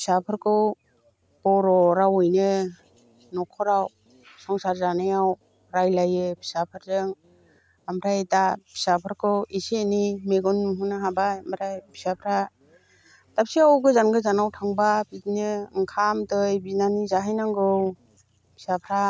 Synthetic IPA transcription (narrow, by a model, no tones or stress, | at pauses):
bʰi̥sapʰɯɾkʰɯw | b̥ɔɾɔɾawɯjnɯ | nɔkʰɔɾaw | sɔŋsaɾzanajaw | ɾajlajɯbi̥sapʰɯɾzɯŋ | amɾajetabʰi̥sapʰɯɾkʰɯwisenimeɡɔnuɦɯnɯɦabajamɾajbʰi̥sapʰɾa | tap̚siawɡɯzanɡɯzanawtʰaŋbabitnɯŋkʰamtɯjbinanizaɦajnaŋɡɯw | bʰi̥sapʰɾa